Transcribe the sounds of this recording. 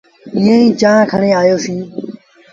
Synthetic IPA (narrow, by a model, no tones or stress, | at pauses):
ɪ̃ːẽːĩːt͡ʃãːkʰəneːaːjoːsĩː